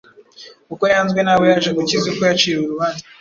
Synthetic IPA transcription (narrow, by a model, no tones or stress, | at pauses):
kukojaːnzɡwe̞nawojaʒeɡucizuko̞jat͡ʃiːɾuɾuβaːnzi